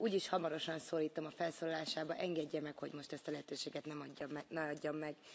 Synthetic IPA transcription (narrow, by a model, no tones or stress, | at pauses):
uːɟiʃhɒmɒɾo̞ʃɒnsoːliːt̪o̞mɒfɛlsoːlɒlaːʃaːbɒʔɛŋɡɛɟːɛmɛkho̞ɟmo̞ʃt̪ɛst̪ɒlɛɦɛt̪øːʃeːɡɛt̪nɛɟːmnɛɒɟːomːɛɡ